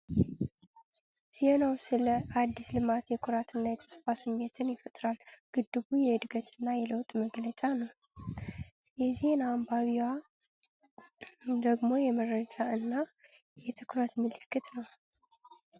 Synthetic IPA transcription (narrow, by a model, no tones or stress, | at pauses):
z̥enawsɨləʔad̪ːislɨmat̪jɛkʰʊɾat̪ɨnːajɛt̪ʰə̥sfasɨmːe̞t̪ʰɨnjɪfət̪ʼɾalɡ̥ɨd̪ːɨβujɛɨd̪ɨɡət̪ʰɨnːajɛləwt̪ʼməɡlət͡ʃʼanəw | jɛzenambaβiwa | d̪əɡmo̞jɛməɾəd͡ʒaɨnːa | jɛt̪ʰɨkʰɾət̪mɨlɨkːɨt̪nəw